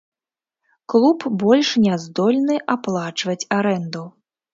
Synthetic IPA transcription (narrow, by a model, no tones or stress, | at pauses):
klˠupbɔlʲʂnʲɛzd̪ɔlʲnɨʔaplˠat͡ʂvɐt͡sʲaɾɛnd̪u